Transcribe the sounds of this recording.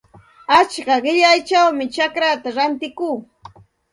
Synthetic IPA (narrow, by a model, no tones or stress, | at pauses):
at͡ʃkaɢɪʎajt͡ʃawmɪt͡ʃakɾat̪aɾant̪ɪkuː